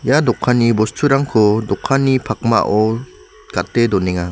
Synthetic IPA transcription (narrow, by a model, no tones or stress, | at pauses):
jadɔkʰːanibɔstʰuɾaŋkʰɔdɔkʰːanipʰak̚ma̰ʔɔ | ɡ̥at̚ːedɔnɛŋa